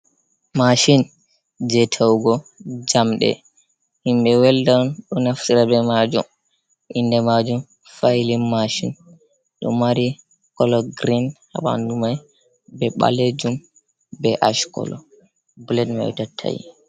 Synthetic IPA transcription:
maʃin | d͡ʒɛtʰawɡɔd͡ʒamɗɛ̰ | himɓɛwɛldanɗɔnaftiɾabɛmad͡ʒṵm | ʔindɛmad͡ʒum | fajlinmaʃin | ɗɔ̰maɾi | kɔlɔɡɾinha̰ɓa̰ndumaj | bɛɓa̰led͡ʒum | bɛʔaʃkɔ̰lɔ̰ | bulɛdma̰jṵtatʰːa̰jḭ

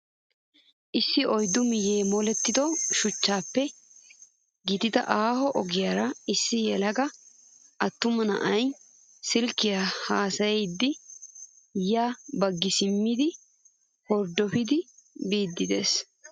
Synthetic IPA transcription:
ʔɪsːɪɔjd̪ʊmɪjeːmɔlɛt̪ːɪd̪ɔʃʊt͡ʃːaːpːɛ | ɡɪt̪ɪd̪ɐ̰ʔaːhɔʔɔɡɪjaːɾɐɪsːɪjɛlɐɡɐ | ʔɐt̪ːʊmɐnɐ̰ʔɐj | sɪlkːɪjahaːsɐjɛjd̪ːɪ | jaːbɐɡːɪsɪmːɪd̪ɪ | hɔɾd̪ːɔfɪd̪ɪbiːd̪ːɪd̪e̞̰ːs

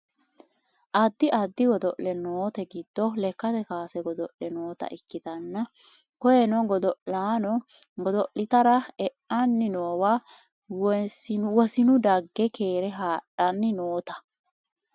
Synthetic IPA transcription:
ʔɐd̪ːɪʔɐd̪ːɪwɔd̪ɔʔlɛnoːt̪ɛɡɪd̪̥ːɔlɛkːɐt̪ɛkaːsɛɡɔd̪ɔʔlɛnoːt̪ɐ̰ʔɪkːɪt̪ɐnːɐ | kɔjɛnɔɡɔd̪ɔaːnɔ | ɡɔd̪ɔʔlɪt̪ɐɾɐɛʔɐnːɪnoːwaː | wsnwɔsɪnʊd̪ɐɡːɛkʰeːɾɛɦaːᶑɐnːɪnoːt̪ɐ̥

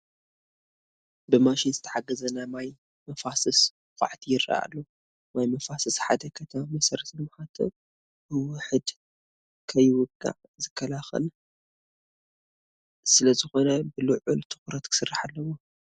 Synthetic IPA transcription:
bɨmaʃinzɨt̪ʰɐħaɡːɐzɐnamaj | mɐfasɨs | xʷʼa̰ʕt̪ʰijɪɾːa̰a̰lːo | majmɐfasɨsħad̪ɐkʰɐt̪ʰmamɐsɐɾɐt̪ɨmħat̪ʰo̰ | bɨwʊħɨd̪ | kʰɐjwʊɡʼːa̰ʕ | zɨkʰːɐlaxɐ̰l | sɨlɐzɨxo̞nɐbɨluʕʊlt̪ʰɨ̥xʊɾɐt̪kʰɨ̥sɨrːaħalːɐwo

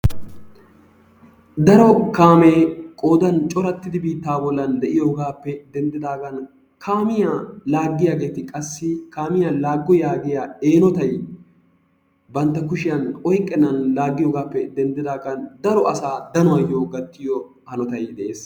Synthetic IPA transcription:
d̪ɐɾɔkaːmeːkʼo̞ːd̪ɐnt͡ʃʼɔɾɐt̪ːɪd̪ɪbiːt̪ːaːbɔlːɐnd̪ɛʔɪjoːɡaːpːɛd̪ɛnd̪ɪd̪aːɡɐn | kʰaːmɪjalaːɡːɪjaːɡe̞ːt̪ɪkʼɐsːɪkaːmɪjalaːɡːɔjaːɡɪjaːeːnɔt̪ɐj | bɐnt̪ːɐkʊʃɪjɐnɔjkʼːɛnːɐnlaːɡːɪjoːɡaːpːɛd̪ɛnd̪ɪd̪aːɡɐnd̪ɐɾɔɐsaːd̪ɐnʊwɐjoːɡɐt̪ːɪjɔ | hɐnɔt̪ɐjd̪ɛʔeːs

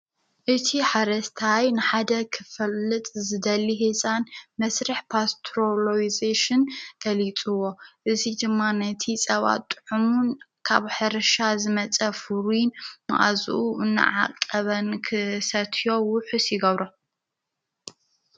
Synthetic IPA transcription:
ʔɨt̪ʰiħaɾɐst̪ʰajnɨħad̪ɐkʰɨfɐlːɨt̪ʼzɨd̪ɐlːiɦesʼanmɐsɾɐħpʰast̪ʰɾoloizeʃɨnɡ̥ɐlit͡sʼuwːo̞ʔɨzid̪ɨmːanɐt̪ʰisʼɐβa̰t̪ʼːɨ̥ħumun | kʰaβħɨɾɨʃazɨmɐt͡sʼɐfuɾinma̰ʔa̰zṵʔuʔɨnːɨ̰ʕa̰kʼːɐβɐnkʰɨsɐt̪ʰjo̞wʊħusjɪɡɐβɾo

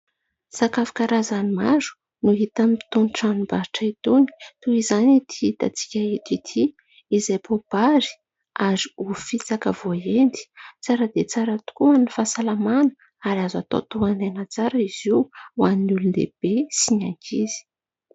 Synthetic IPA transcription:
sakafi̥kaɾazanimazu̥ | nuɦit̪amit̪unʈ͡ʂanibaɾiʈ͡ʂait̪uni̥t̪uizanit̪ʰiit̪a̰t͡si̥kʲait̪it̪ʰiː | zajpob̥aɾi̥ | aɾiufit͡sakəvoend̪i̥t͡saɾəd̪et͡saɾat̪u̥kuənifasalamanə̥ | aɾazat̪o̰t̪uananat͡saɾəiziwaninulund̪ḛb̥esiɲaŋkiz̥i̥

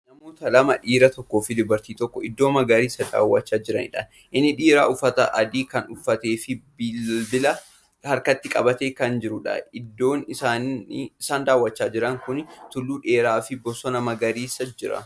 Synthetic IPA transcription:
nɐmo̞ːt̪ɐlɐmɐᶑiːɾɐt̪ɔkːo̞ːfɪd̪ʊbɐɾt̪iːt̪ɔkːɔɪd̪ːo̞ːmɐɡɐɾiːsɐd̪a̰ːwːɐt͡ʃːaːd͡ʒɪɾɐnɪ̰ᶑɐn | ʔɪnːɪᶑiːɾaːʔʊfɐt̪ɐʔɐd̪iːkɐnʊfːɐt̪eːfɪbɪbɪlɐ | hɐɾkɐt̪ːɪkʼɐbɐt̪eːkɐnd͡ʒɪɾʊᶑɐ̰ɪd̪ːo̞ːnɪsaːnɪsaːnd̪aːwːɐt͡ʃːaːd͡ʒɪɾɐŋkʊnt̪ʊlːuːᶑe̞ːɾaːfɪbɔsɔnɐmɐɡɐɾiːsːɐd͡ʒɪɾɐ̰

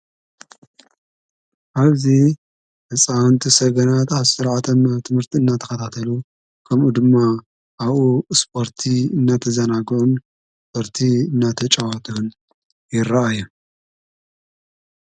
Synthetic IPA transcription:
ʔaβzi | nɨt͡sʼawnt̪ʰisɐɡɐnat̪aβsɨɾʕat̪ʰɐmt̪ʰɨmhɨɾt̪ʰiɨnːat̪ʰɐ̥xɐt̪ʰat̪ʰɐlu | kʰɐmʔud̪ɨmːa | ʔːβʔuspʰo̞ɾt̪ʰiɨnːat̪ʰɐzɐnaɡʕun | spʰoɾt̪ʰiɨnːat̪ʰɐt͡ʃʼawat̪ʰuhun | jɪɾaajːu

